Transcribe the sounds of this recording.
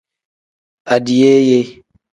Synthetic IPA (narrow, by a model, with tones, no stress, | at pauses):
a˨di˨je˦je˦